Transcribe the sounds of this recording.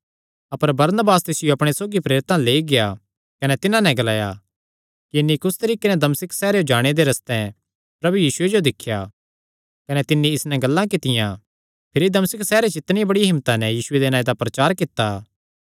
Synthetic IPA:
ɐpəɾbɐɾnəbaːst̪ɪsɪjoɐpɽ̃esoːɡipɾeːɾɪt̪ãleːiɡɪja | kɐnɛt̪ɪnãnɛ̃ɡɐlaːja̰ | kiɪnːikʊst̪ɐɾiːkenɛd̪ɐmsɪksɛːɾeod͡ʒaːɽ̃ed̪eɾɐst̪ɛ̃ | pɾɐbujiːsʊed͡ʒod̪ɪkʰːja | kɐnɛt̪ɪnːiɪsnɛɡɐlːãkɪt̪ɪjã | pʰɪɾid̪ɐmsɪksɛːɾet͡ʃɪt̪nɪiãbɐɽijaɦɪmːt̪anɛjiːsʊed̪enaːid̪apɾɐt͡ʃaːɾkɪt̪ːaː

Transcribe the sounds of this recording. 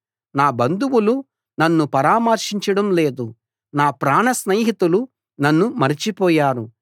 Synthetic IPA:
naːbɐnd̪uwulu | nɐnːupɐɾaːmɐɾʂiɲt͡ʃɐɽɐmle̞ːd̪u | naːpɾaːɳɐsneːɦit̪ulu | nɐnːumɐɾit͡ʃipɔːjaːɾu

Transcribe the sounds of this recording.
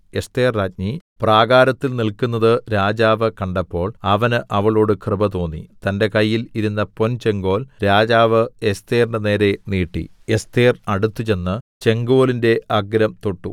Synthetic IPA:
est̪eːrːaːt̚ɲipraːɡaːɾɐt̪ːilnilkunːɐðɨɾaːd͡ʑaːʋɨkɐɳɖɐpːo̞ːɭɐʋɐnɨʔɐʋɐɭoːɽɨkrɨbɐt̪o̞ːnːḭt̪ɐnde̞kɐjːiliɾunːɐpo̞nt͡ɕe̞ŋɡo̞ːlɾaːd͡ʑaːʋɨest̪eːrindene̞ːɾe̞niːʈːḭ | est̪eːrɐɽut̪ːut͡ɕe̞nːɨt͡ɕe̞ŋɡo̞ːlinde̞ʔʔɐɡɾɐmt̪oʈːṵ

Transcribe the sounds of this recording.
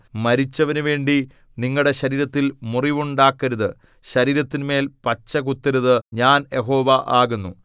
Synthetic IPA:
mɐɾit͡ɕːɐʋɐnuʋe̞ːɳɖi | niŋːɐɭɽe̞ɕɐɾiːɾɐt̪ːilmuriʋuɳɖaːkːɐɾuðɨ | ɕɐɾiːɾɐt̪ːinme̞ːlpɐt͡ɕːɐkut̪ːɐɾuðɨɲaːnjeɦo̞ːʋɐʔaːɣunːṵ

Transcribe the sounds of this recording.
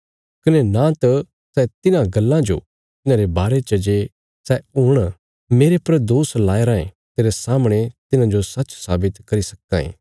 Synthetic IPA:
kɐnenãt̪ɐ | sɛt̪ɪnãɡɐlːãd͡ʒo̰ | t̪ɪnãɾebaːɾet͡ʃɐd͡ʒe | sɛuːɽ̃ | meːɾepɐɾd̪oːslaːeɾãːḛ̃ | t̪eːɾesaːmɽ̃et̪ɪnãd͡ʒosɐtːt͡ʃsaːbɪt̪kɐɾisɐkã̰ːḛ̃ː

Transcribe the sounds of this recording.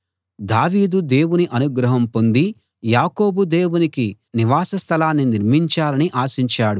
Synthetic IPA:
d̪aːʋiːd̪ud̪e̞ːwuniʔɐnuɡɾɐɦɐmpo̞nd̪i | jaːko̞ːbud̪e̞ːwuniki | niʋaːsɐst̪ʰɐlaːnːiniɾmiɲt͡ʃaːlɐniʔaːsiɲt͡ʃaːɽu

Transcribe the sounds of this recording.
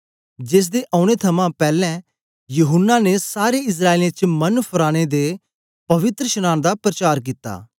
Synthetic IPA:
d͡ʒɪːs̬d̪eʔaːʊɽ̃et̪ʰɐmãpɛːlɛ̃ | jʊɦʊnːanesaːɾeɪs̬ɾaːelẽt͡ʃmɐnpʰʊɾaːɽ̃ed̪e | pɐʋɪt̪ɾəʃəñaːñd̪apɾət͡ʃaːɾk̬it̪ːa̰ː

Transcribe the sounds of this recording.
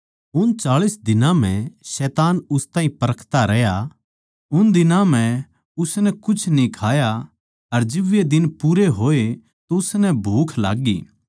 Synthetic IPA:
ʊnt͡ʃaːɭisd̪ɪnãm̤ɛ̃ʃɛːt̪aːnʊst̪ãːɦĩpɐɾəkʰt̪aɾɛɦja | ʊnd̪ɪnãm̤ɛ̃ | ʊsnɛkʊt͡ʃʰnĩkʰaːja | ɐɾd͡ʒɪʋed̪ɪnpuːɾeɦoːe | t̪oʊsnɛbʱuːkʰla̰ːɡḭː

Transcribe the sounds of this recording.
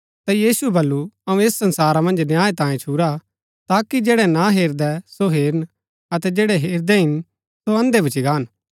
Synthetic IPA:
t̪ajiːsuɛbɐlːuɐũeːsːɐ̃nsaːɾamɐ̃nd͡ʒnjaːẽt̪ãːjẽt͡ʃʰuːɾa | t̪aːkid͡ʒeːɽɛnaɦeːɾd̪ɛsoɦeːɾən | ɐt̪ɛd͡ʒeːɽɛɦeːɾd̪ɛɦɪn | soɐ̃nd̪ebɐt͡ʃiɡaːn

